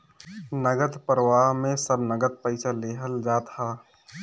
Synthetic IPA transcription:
nəɡət̪pəɾʋaːɦmẽsəbnəɡət̪̚pəɪsaleɦəld͡ʒaːt̪haː

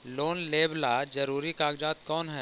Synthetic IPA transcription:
loːnleːblad͡ʒɐɾuːɾikaːɡd͡ʒaːt̪̚kɔːnɦɛː

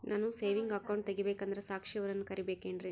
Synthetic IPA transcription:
nʔaːnuseːʋiŋɡɐkːɐwɳʈ̚t̪eɡibeːkɐnd̪ɐɾesaːkʂijɐʋɐɾɐnːukɐɾibeːkeːɳɖɾi

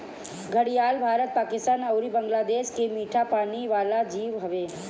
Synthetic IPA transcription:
ɡʱəɽijaːlbʱaːɾət̪̚paːkɪst̪aːnɐʊɾibə̃ŋɡlaːd̪eːʃkemiːʈʰapaːniʋaːlad͡ʒiːʋɦɐʋeː

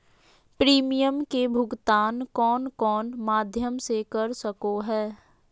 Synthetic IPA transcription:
pɾiːmɪjəmkebʱʊɡt̪aːnkɔːnkɔːnmaːd̪ʱjəmsekɐɾsəkoɦɛː

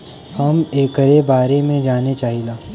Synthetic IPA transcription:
hɐmeːkəɾebaːɾemẽd͡ʒaːnet͡ʃaːɦilaː

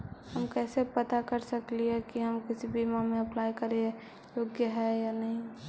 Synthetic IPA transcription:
həmkɛːsepət̪akəɾsəkliɦɛkiɦəmkɪsibimamẽɐplaːikəɾe | joːɡjəɦɛjanəɦĩ

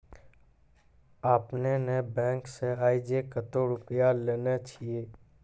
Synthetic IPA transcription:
aːpnenebɛ̃ːŋkseaːid͡ʒekət̪oɾʊpɪjaleːnet͡ʃʰijeː

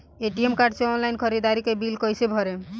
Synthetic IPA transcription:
eʈiemkaɾɖseɔnlaɪnkʰəɾid̪aɾikebilkɔjsebʱɔɾe

